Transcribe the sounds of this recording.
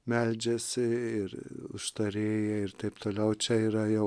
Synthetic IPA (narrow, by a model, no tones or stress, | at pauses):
mʲɛlʲd͡ʒʲɛsʲɪɪɾʊ̰ʃt̪ɐɾʲeːjɛɪrt̪ɐɪpt̪oːlʲɛʊt͡ʃʲɛiːɾɐjɛʊ